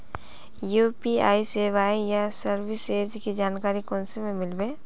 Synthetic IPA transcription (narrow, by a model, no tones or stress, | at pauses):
juːpia̰ːiseːʋaːijasəɾbɪseːd͡ʒkid͡ʒaːnkaːɾikɔ̃ːnsemẽmɪlbeː